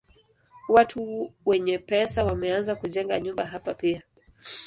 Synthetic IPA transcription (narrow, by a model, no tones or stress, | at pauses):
watʰuwɛɲɛpɛsawamɛanzakuʄɛŋɡaɲumbaɦapapia